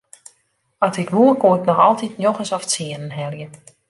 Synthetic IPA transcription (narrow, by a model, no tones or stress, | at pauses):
ɔtɪkʋuəkoɪknɔxɔlˠtitnjoxəsɔft͡siənənɦɛljə